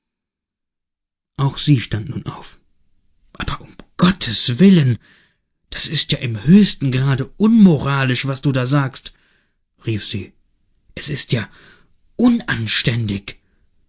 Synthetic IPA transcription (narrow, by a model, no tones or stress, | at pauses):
ʔaʊxz̥iːʃtantnuːnʔa̰ʊf | ʔaːbɐʔʊmɡ̥ɔtʰəsvɪlən | d̥asɪstjaːʔɪmhøːçstn̩ɡʁaːdəʔʊnmoʁaːlɪʃv̥asd̥uːdaːzaːkst | ʁiːfz̥ḭː | ʔɛsɪstjaː | ʔʊnʔanʃtɛndɪç